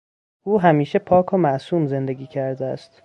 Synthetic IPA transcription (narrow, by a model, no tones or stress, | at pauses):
ʔuːɦæmiːʃepʰɒːkʰomæʔsuːmze̞nd̪e̞ɡʲiːcʰæɾd̪eæst̪